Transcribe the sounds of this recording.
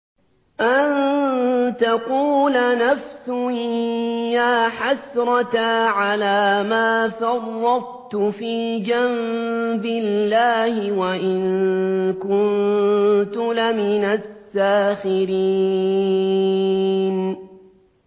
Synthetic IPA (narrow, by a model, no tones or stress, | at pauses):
ʔan | t̪aquːlanafsʊ | jaːħasɾˤɑt̪aʕalaːmaːfɑrˤːɑd̚ˤ | t̪ʊfiːd͡ʒambɪlːaːhɪwaʔɪŋkʊn | t̪ʊlamɪnasːaːxɪɾi | n